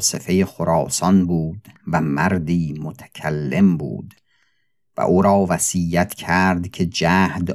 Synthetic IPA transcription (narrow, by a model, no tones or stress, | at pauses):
sefe̞jexoɾɒːsɒnbuːd̪væmæɾd̪iːmot̪ʰæ̥kʲʰælːe̞mbṵːd̪ | væ̰ʔuːɾɒːvæsiːjæt̪ʰkʰæɾd̪kʲʰe̞d͡ʒæːhd̪